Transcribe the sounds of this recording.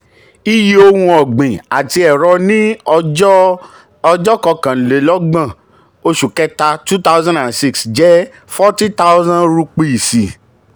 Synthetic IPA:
i˦ji˦o˧hũ˧ɔ˨ɡ͡bẽ˨a˨ti˧ɛ˨ɾɔ˧nĩ˦ | ɔ˧d͡ʒɔ˦kɔ˧kã˨n̩˨le˨˦lɔ˦ɡ͡bã˦˨ | o˧ʃu˨kɛ˦ta˧tu˦ta˦wzã˦dã˨nsi˦ksd͡ʒɛ˦ | fɔ˦ti˦ta˦wzã˦nɾu˧k͡pi˦˨si˨

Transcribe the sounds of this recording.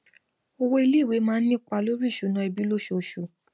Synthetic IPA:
o˧wo˦i˧li˦˨we˨˦mãː˦nĩ˦˨k͡pa˧lo˦ɾi˦˨ʃu˨nã˧˦i˧˨bi˨˦lo˦ʃo˨ʃo˨

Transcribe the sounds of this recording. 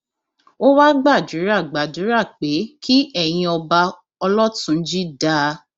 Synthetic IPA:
o˦wa˦ɡ͡ba˦˨d͡ʒu˨˦ɾa˦˨ɡ͡ba˨du˨˦ɾa˦˨k͡pe˨˦kʰi˦ʔɛ˦˨j̃ĩ˧ɔ˧ba˧ | ɔ˧lɔ˦tũ˨˦n̩˦d͡ʒi˦da˦

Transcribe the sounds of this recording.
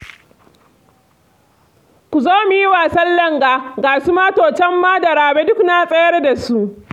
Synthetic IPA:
kʷu˨zoː˦mu˨ji˦waː˨sɐ˦lːɐ˦ŋɡaː˨ɡaː˨su˦maː˦toː˨t͡ʃɛ˦mːaː˦dɐ˨ɾaː˨beː˦dʊ˦knaː˦sʼɐ˦jɐ˦rda˨su˦ʔ

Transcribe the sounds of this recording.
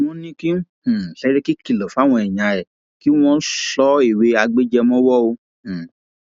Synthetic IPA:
w̃ɔ̃˦nĩ˦kĩ˦˨sɛ˨˦ɾe˦ki˦ki˨lɔ˨fa˨˦w̃ɔ̃˧ɛ˨ɲ̃ã˨ɛ˨ | ki˨˦w̃ɔ̃˧˦sɔ˨˦i˦˨we˨˦a˧ɡ͡be˦d͡ʒɛ˧mɔ̃˦wɔ˦õ˧˨

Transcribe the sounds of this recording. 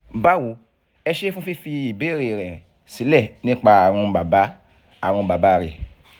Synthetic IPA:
ba˦wu˨˦ | ɛ˧ʃe˦fũ˦fi˦fi˧i˨be˨˦ɾe˨ɾ̃ɛ̃˨ | si˨˦lɛ˦˨nĩ˦k͡pa˧a˨ɾ̃ũ˧ba˨ba˨˦ | a˨ɾ̃ũ˧ba˨ba˦˧ɾe˨

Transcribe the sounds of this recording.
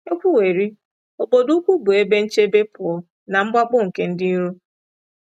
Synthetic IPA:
e˦kʷu˦we˨ɾi˦ | o˨bo˨du˦kʷu˦bʊ˨e˦be˦n̩˦t͡ʃe˦be˦pʊ˨ɔ˨˦ | na˨ŋ͡m̩˦ɡ͡ba˦ɡ͡bʊ˦ŋ̩˨ke˦n̩˦dɪ˦n˦ɾu˦

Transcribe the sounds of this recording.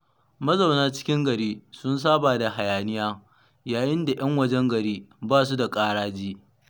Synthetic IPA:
mɐ˦za˨wnaː˦t͡ʃɪ̥˦kʲɪ˦ŋɡɐ˨ɽiː˦sʊ˦ns̬aː˦baː˨da˨ha˨jaː˨nɪ˦jaː˦ | jaː˨jɪ˦nda˨jʔɐ˦ŋwɐ˦d͡ʒɛ˦ŋɡɐ˨ɽiː˦baː˦˨s̬u˦da˨kʼaː˦ɽaː˦d͡ʒiː˦

